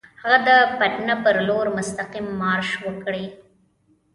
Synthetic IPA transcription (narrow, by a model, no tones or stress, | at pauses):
haɣad̪əpaʈnapəɾloɾmʊst̪aqimːɑɾʃwəkɽe